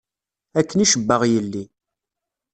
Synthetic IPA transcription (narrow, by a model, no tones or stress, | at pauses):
ækːəniʃəbːəʁjəlːi